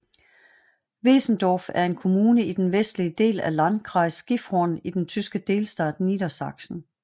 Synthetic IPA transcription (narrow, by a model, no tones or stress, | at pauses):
ʋe̝̰ːsn̩d̥ɒːfæɐe̝nkʰo̝muːnəid̥enʋesd̥liəd̥e̝̰ːlælɑn̥kʰʁɑ̈ɪsɡ̥ifʁɔnid̥ent͡sʰysɡ̥əd̥e̝ːlsd̥ɛ̰ːd̥nid̥ɐsɑ̈ɡ̥sn̩